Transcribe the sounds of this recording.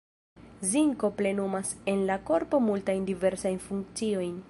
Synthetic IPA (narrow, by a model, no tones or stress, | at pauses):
ziŋko̞ple̞numase̞nlako̞ɾpo̞multajndive̞ɾsajnfuŋk̚t͡sio̞jn